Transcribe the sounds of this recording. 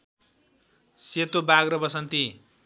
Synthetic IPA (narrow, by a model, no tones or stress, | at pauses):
set̪obaɡrʌbʌsʌnt̪i